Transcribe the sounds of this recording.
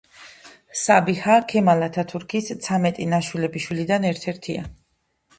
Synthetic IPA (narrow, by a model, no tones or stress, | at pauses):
sabihakʰɛmalat̪ʰat̪ʰuɾkʰist̪sʰamɛt̪ʼinaʃwilɛbiʃwilid̪anɛɾt̪ʰɛɾt̪ʰia̰